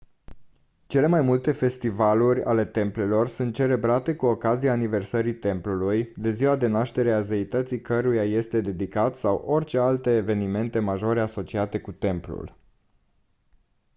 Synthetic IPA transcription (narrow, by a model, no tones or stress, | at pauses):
t͡ʃe̞le̞majmult̪e̞fe̞st̪ivalurʲa̰le̞t̪e̞mple̞lo̞rsunt̪̚t͡ʃe̞le̞bɾat̪e̞kuo̞kazijaːnive̞rsəɾit̪e̞mplulujd̪e̞ziwad̪e̞naʃt̪e̞ɾeazeit̪ət̪sikəɾujaje̞st̪e̞d̪e̞d̪ikat̪sawʔo̞rʲt͡ʃe̞alt̪e̞ːve̞nime̞nt̪e̞maʒo̞ɾe̞aso̞t͡ʃiat̪e̞kut̪e̞mplṵl